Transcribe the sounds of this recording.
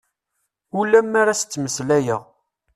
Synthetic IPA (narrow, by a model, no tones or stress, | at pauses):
ulæmːaɾasə̥t͡sːməslæjəʁ